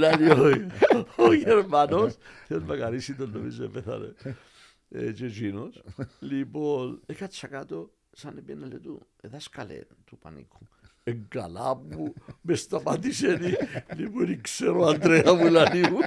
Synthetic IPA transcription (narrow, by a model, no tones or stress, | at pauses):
laljojojeɾmanosθjezmakaɾisit̪olːomisemveθa̰lḛ | ḛt͡ʃet͡ʃinoslipolekat͡ʃakat̪o | sanepjɛnelet̪ṵ | eðaskalḛt̪upa̰nḭkʰu̥ | eŋɡala̰pumest̪apat̪iseniliponikseɾoand̪ɾeamulalu